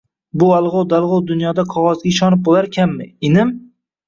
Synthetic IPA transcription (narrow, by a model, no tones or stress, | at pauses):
bʊalˠʁɑwd̪alˠʁɒwd̪ʊnjɒd̪aqʰɒʁɒzɡʲaɪʃɒnɪp̚bolaɾkʲʰamːɪɪnɪm